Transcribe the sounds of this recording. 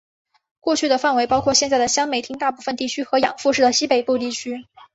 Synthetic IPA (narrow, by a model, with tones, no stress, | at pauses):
kwɔ˥˧t͡ɕʰy˥˩d̪ə˩fa˥˩nwe˧˥ɪpɑ˥ʊkʰwɔ˥˧ɕjɛ˥˧nt͡sa˥˩ɪd̪ə˩ɕjɑ˥ŋme˨˩ɪt̪ʰi˥ŋt̪a˥˧pu˥˩fə˨nt̪i˥˩t͡ɕʰy˥xɤ˧˥jɑ̰˨˩ŋfu˥˧ʂɻ̩˥˩d̪ə˩ɕi˥pe˨˩ɪpu˥˧t̪i˥˩t͡ɕʰy˥